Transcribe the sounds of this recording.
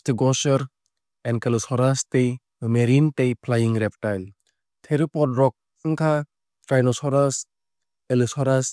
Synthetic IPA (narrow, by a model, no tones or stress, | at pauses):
stiɡɔsɔɾ | ɛnkelusɔɾastej | meɾintejpʰlajiŋɾɛp̚tajl | tʰeɾipɔtɾɔk̚ | ŋkʰa | pɾajnɔsɔɾas | elisɔɾas